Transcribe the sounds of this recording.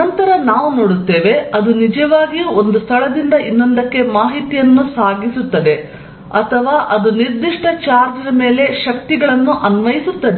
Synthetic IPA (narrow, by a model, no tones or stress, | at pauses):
ɐnt̪ɐɾɐnaːʋuno̞ːɽut̪ːeːʋe̞ɐd̪unid͡ʒɐʋaːɡijuond̪ust̪ʰɐɭɐd̪ind̪ɐʔinːond̪ɐkːe̞maːɦit̪ijɐnːusaːɡisut̪ːɐd̪e̞ | ɐt̪ʰɐʋaːʔɐd̪uniɾd̪iʂʈɐt͡ʃaːɾd͡ʒɐnɐme̞ːle̞ʃɐk̚t̪iɡɐɭɐnːuʔɐnʋɐjisut̪ːɐd̪e